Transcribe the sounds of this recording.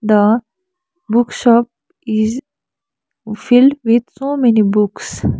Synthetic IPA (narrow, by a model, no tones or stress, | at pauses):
d̪ə | bʊkʃɔp̚ | ɪz | fɪlɖʋid̪soːmɛnibʊks